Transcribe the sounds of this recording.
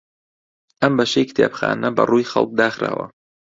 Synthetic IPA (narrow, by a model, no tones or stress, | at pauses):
ʔɐmbɐʃejkt̪ʰeːpxaːnɐbɐrujxɐlˠk̚d̪aːxɾaːwɐ̰